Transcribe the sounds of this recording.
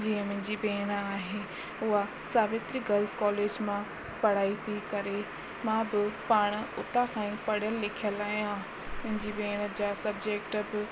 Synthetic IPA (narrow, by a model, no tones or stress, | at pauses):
d͡ʑiːɦə̃mʊ̃ɦɪ̃ɲd͡ʑibeːɽ̃aːɦe | ʊɦa | saːʋet̪ɾiɡɐlzkɔːleːd͡ʑmã | pɐɽ̤aːit̪ʰikɐɾe | mãbɪpaːɽ̃ʊt̪akʰãːĩpɐɽ̤ijəlːɪkʰijəlaːijã | mʊ̃ɦɪ̃ɲd͡ʑibeːɽ̃ə̆d͡ʑaːsɐbd͡ʑeːkʈbɪ